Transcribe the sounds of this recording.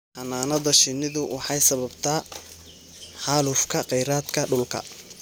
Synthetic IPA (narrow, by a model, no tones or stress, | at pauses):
hɐnaːnɐðɐʃɪnːɪðʊwʔɑħɑjsɐβɐbt̪ʰaː | ħaːlʊfkʰɐqɛjɾaːd̪kʰɐɖʊlkʰɐ̰